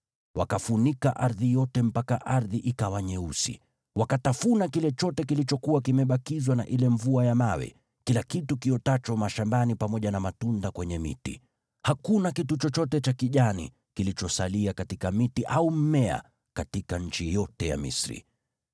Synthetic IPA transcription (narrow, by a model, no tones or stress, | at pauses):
wakafunikaʔaɾðijɔtɛm̩pakaʔaɾðiʔikawaɲɛusḭ | wakatafunakilɛt͡ʃɔtɛkilit͡ʃɔkuwakimɛɓakizwanaʔilɛɱvuajamawɛ̰ | kilakitukiɔtat͡ʃɔmaʃambanipamɔʄanamatundakwɛɲɛmḭtḭ | hakunakitut͡ʃɔt͡ʃɔtɛt͡ʃakiʄanḭ | kilit͡ʃɔsaliakatikamitiʔaum̩mɛa̰ | katikaɲ̩t͡ʃijɔtɛja̰mḭsɾḭ